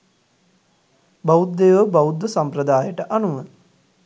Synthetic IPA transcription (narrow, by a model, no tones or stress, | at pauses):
baud̪ːejʋəbaud̪ːəsampɾəd̪aːjəʈəʔanuʋə